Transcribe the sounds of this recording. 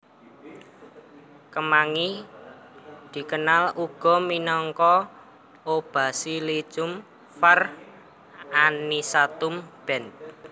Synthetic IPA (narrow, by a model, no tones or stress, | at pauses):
kəmaŋi | d̪̥i̤kənaluɡ̥ɔ̤minɔŋkɔ | ob̥a̤sili̥t͡ʃʊm | fər | anisat̪ʊmb̥ɛn